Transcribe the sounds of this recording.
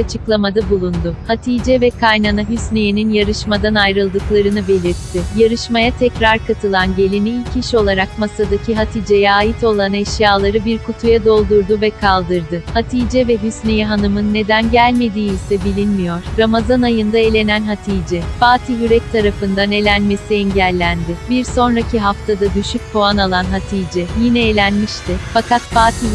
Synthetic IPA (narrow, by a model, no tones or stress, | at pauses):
at͡ʃʰɯklˠamad̪abulˠund̪ʊhat̪ʰiːd͡ʒɛvɛkʰajnanaɦysnejininjaɾɯʃmad̪anajɾɯlˠd̪ɯklˠaɾɯnɯbe̞lʲiɾt̪ʰːɪjaɾɯʃmajat̪ʰɛcɾaɾkʰat̪ʰɯlˠanɟe̞lʲiniilʲcʰiʃo̞lˠaɾakmasad̪acʰiɦat̪ʰiːd͡ʒɛjɛaːjit̪ʰo̞lˠanɛʃjaːlˠaɾɯbiɾkʰut̪ʰujad̪o̞lˠd̪uɾd̪uvɛkʰalˠd̪ɯɾd̪ɯhat̪ʰiːd͡ʒɛvɛɦysnejɛɦanɯmɯnːe̞d̪ænɟælʲme̞d̪iːizʲsɛbilʲinmijo̞ɾ̥ɾamazanajɯnd̪ae̞lʲe̞nænɦat̪ʰiːd͡ʒɛfaːt̪ʰijyɾɛc̚t̪ʰaɾafɯnd̪ane̞lʲænme̞siɛɲɟælʲːænd̪ɪbiɾso̞nɾacʰiɦaft̪ʰad̪ad̪yʃyc̚pʰoanalˠanɦat̪ʰiːd͡ʒɛjinɛelʲænmiʃt̪ɪfakat̪faːt̪ʰi